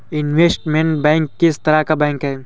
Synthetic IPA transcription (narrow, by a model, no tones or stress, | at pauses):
ɪnʋeːsʈmẽɳʈ̚bɛ̃ːŋkːɪst̪ɐɾakabɛ̃ːŋkɦɛː